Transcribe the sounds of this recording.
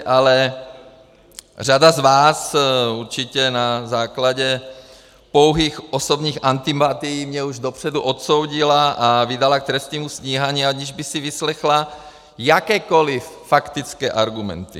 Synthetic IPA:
ʔalɛ | r̝adazvaːsuɾt͡ʃicɛnazaːklaɟɛ | po̞wɦiːxʔo̞sobɲiːxʔant̪impat̪ijiːmɲɛuʒdopr̝̥ɛduʔot̪sowɟilaʔavɪdalak̚t̪ɾɛst̪ɲiːmusɲiːɦaːɲiːaɲiʒbɪxsɪvɪslɛxla | jakɛːko̞lɪfːakt̪it͡skɛːʔaɾɡumɛ̰nt̪ḭ

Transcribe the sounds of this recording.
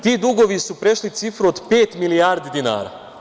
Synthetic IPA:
t̪iːd̪uɡoʋisupɾeʃlit̪sifɾuod̪peːt̪milijaːɾd̪id̪ina̰ːɾa̰

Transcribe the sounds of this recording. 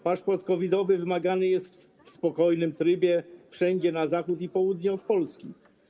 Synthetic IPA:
paʂpɔɾt̪kɔvʲid̪ɔvɘvɘmaɡanɘjɛst̪ | fspɔkɔjnɘmt̪ɾɘbʲjɛfʂɛɲd͡ʑɛnazaxut̪̬ipɔwud̪ɲɔfpɔlskʲḭ

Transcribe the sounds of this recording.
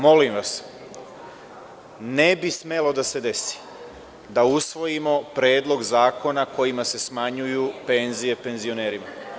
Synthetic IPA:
mo̞limʋas | ne̞bisme̞lo̞d̪ase̞d̪e̞si̥ | d̪ausʋo̞jimo̞pɾe̞ːd̪lˠo̞ɡzaːko̞nako̞jimase̞smaɲujupe̞nzije̞pe̞nzio̞ne̞ːɾima

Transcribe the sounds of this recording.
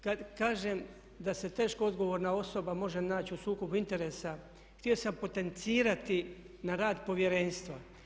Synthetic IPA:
kad̪kaːʒe̞m | d̪ase̞t̪e̞ːʃkoo̞d̪ɡo̞ʋoɾnao̞so̞bamo̞ʒe̞naːt͡ɕusuːko̞bint̪e̞ɾe̞ːsa | xt̪io̞sampo̞t̪ent̪siːɾat̪i | naɾaːd̪po̞ʋje̞ɾe̞nst̪ʋa

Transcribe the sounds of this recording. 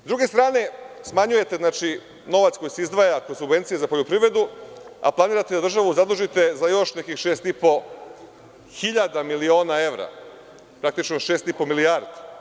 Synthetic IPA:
zd̪ɾuɡe̞st̪ɾaːne̞smaɲuje̞t̪e̞znaːt͡ʃi | no̞ʋat̪sko̞jiseizd̪ʋajakosuɡve̞nt̪sijezapo̞ʎopɾiʋɾe̞d̪ua̰plˠaniːɾat̪ed̪ad̪rʒaʋuzad̪uʒit̪e̞zajo̞ʃnekixʃe̞ːst̪ipo̞ | xiʎad̪amilio̞ːnae̞ʋɾa̰ | pɾak̚t̪it͡ʃnoʃeːst̪ipo̞miliaɾd̪a

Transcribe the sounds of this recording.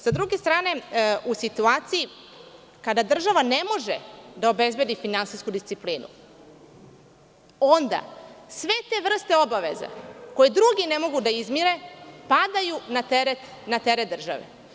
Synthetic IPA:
sad̪ɾuɡe̞st̪ɾaːne̞usit̪uaːt̪siji | kad̪ad̪r̩ʒaʋane̞mo̞ʒed̪ao̞be̞zbe̞d̪ifinansiskud̪ist̪sipliːnṵ | o̞nd̪a̰sʋe̞t̪e̞ʋr̩st̪e̞o̞baʋe̞̰za̰ko̞jed̪ɾuɡine̞mo̞ɡud̪aizmiɾe̞pad̪ajunat̪eɾet̪ | nat̪eɾet̪̚d̪r̩ʒa̰ʋḛ

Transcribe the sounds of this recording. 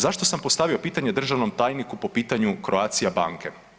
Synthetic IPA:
zaʃt̪o̞sampost̪aʋio̞piːt̪aɲed̪r̩ʒaʋno̞mt̪aːjnikupo̞piːt̪aɲukɾoaːt̪sijaba̰ːŋke̞

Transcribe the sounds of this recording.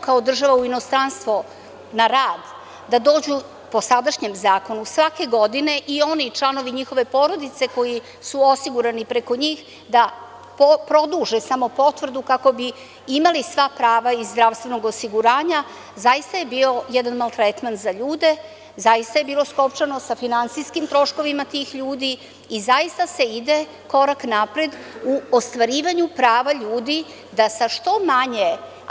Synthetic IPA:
kao̞d̪r̩ʒaʋauino̞st̪ɾanst̪ʋo̞ | naɾaːd̪ | d̪ad̪o̞ːd͡ʑu | po̞sad̪aʃɲe̞mzaːko̞nusʋake̞ɡo̞d̪ine̞ʔio̞nit͡ʃlˠano̞ʋiɲixo̞ʋe̞po̞ɾo̞d̪it̪se̞ko̞ji | suo̞siɡuɾanipɾeko̞ɲiːx | d̪a | popɾo̞d̪uʒesamo̞po̞t̪ʋr̩d̪ukako̞bi | imalisʋapɾaːʋaizːd̪ɾaʋst̪ʋe̞no̞ɡosiɡuɾaːɲa | zajist̪aje̞biːo̞jɛd̪anmalˠt̪ɾet̪ment̪zaʎuːd̪e̞ | zajist̪aje̞biːlˠo̞sko̞pt͡ʃano̞safinant̪siskimt̪ɾo̞ʃko̞ʋimat̪iːxʎuːd̪iː | zaist̪ase̞id̪e | ko̞ɾaknapɾed̪uost̪ʋaɾiːʋaɲupɾaːʋaʎuːd̪i | d̪asaʃt̪o̞maɲe

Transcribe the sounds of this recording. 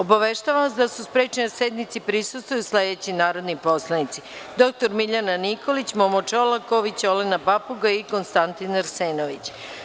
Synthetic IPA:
obaʋeʃt̪aʋamsd̪asuspɾet͡ʃenased̪nit̪sipɾisust̪ʋojusled̪et͡ɕinaːɾo̞d̪nipo̞slˠanit̪sid̪o̞k̚t̪oɾmiʎananiko̞lit͡ɕmomot͡ʃolakoʋit͡ɕolenabapuɡaiko̞nst̪ant̪inɾseːnoʋit͡ɕ

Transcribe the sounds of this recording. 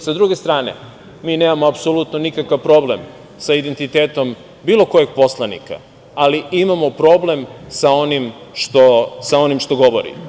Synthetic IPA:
sad̪ɾuɡe̞st̪ɾaːnḛ | miːneːmamoapsolut̪nonikakaʋpɾo̞ble̞m | said̪e̞nt̪it̪eːt̪o̞m | biːlˠo̞ko̞je̞ɡ̚po̞slˠanḭka̰ | aliimamo̞pɾo̞ble̞msao̞nimʃt̪osao̞nimʃt̪o̞ɡo̞ʋoɾḭ

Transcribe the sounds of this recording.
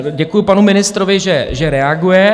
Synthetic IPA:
ɟɛkujʊpanumɪnɪst̪ɾovɪʒɛʒɛɾɛaɡujɛ

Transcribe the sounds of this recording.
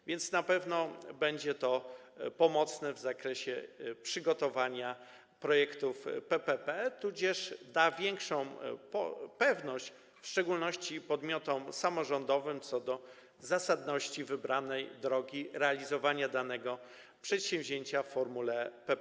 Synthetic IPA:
vʲjɛnt̪snapɛvnɔbɛɲd͡ʑɛt̪ɔ | pɔmɔt̪snɛvzakɾɛɕɛpʂɘɡɔt̪ɔvaɲa | pɾɔjɛkt̪ufpɛpɛpɛt̪ud͡ʑɛʂd̪avʲjɛŋkʂɔ̃w̃pɔpɛvnɔɕt͡ɕ | fʂt͡ʂɛɡulnɔɕt͡ɕipɔd̪mʲjɔt̪ɔmsamɔʐɔnd̪ɔvɘmt̪sɔd̪ɔ | zasad̪nɔɕt͡ɕivɘbɾanɛjd̪ɾɔɡʲiɾɛalʲizɔvaɲad̪anɛɡɔ | pʂɛt̪ɕɛ̃mvʲʑeɲt͡ɕafːɔɾmulɛpɛpɛ

